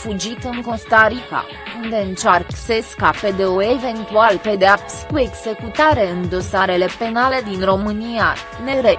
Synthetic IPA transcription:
fud͡ʒit̪ɨŋko̞st̪aɾika̰ | und̪e̞ɨnt͡ʃarkseskape̞d̪e̞oe̞ve̞nt̪ualpe̞d̪eapsʲkue̞ɡz̥e̞kut̪aɾe̞ɨnd̪o̞saɾe̞le̞pe̞nale̞d̪inro̞mɨnia | ne̞ɾe

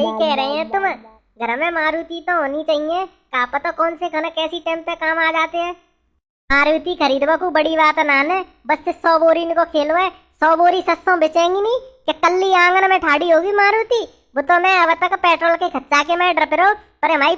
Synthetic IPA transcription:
ikɛɦɾɐɦẽɦɛ̃t̪ʊm | ɡʱəɾəmɛ̃maːɾuːt̪it̪oɦoːnit͡ʃaːɦie | kaːpət̪okɔːnsekɐnəkɛːsiʈeːmt̪ekaːmaːd͡ʒaːt̪eɦɛ̃ː | maːɾuːt̪ikʰəɾiːd̪ʋakubəɽibaːt̪naːnɛ | bɐsːesɔːboːɾinkokʰeːloɛ | sɔːboːɾisɐsõbɪt͡ʃẽːŋɡiniːkekəlːiãːŋɡnmɛ̃ʈʰaːɽiɦoːɡimaːɾuːt̪iː | bʊt̪õmɛ̃ɐʋət̪ɐkpɛːʈɾoːlkekʰɐtːt͡ʃakemɛ̃ɖɾəpeɾoː | pɐɾemaːi

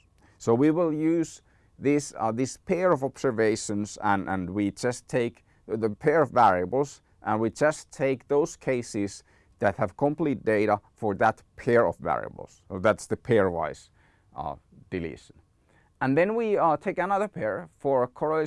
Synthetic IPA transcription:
soʊwiwɪlˠjʉz | ðɪsðɪspʰɛɹʌvɑb̥sə˞veɪʃɨ̃nzə̃nʔə̰̃nwid͡ʒʌstʰeɪk | ðɨpʰɛɹʌvːæɹiɨbl̩ˠz | ʔə̃nwid͡ʒʌstʰːeɪk̚ðoʊz̥kʰeɪsɪz | ðɨt̚hɨv̥kʰə̃mplit̚d̥eɪɾəfə˞ðət̚pʰɛɹʌ̰vvæ̰ɹḭə̰bl̩ˠz̥ðætsðɨpʰɛɹva̰ɪz | d̥ɨlḭʃn | ə̃nðɨ̃nwitʰeɪkɨnʌðə˞pʰɛɹfə˞kʰɔɹ

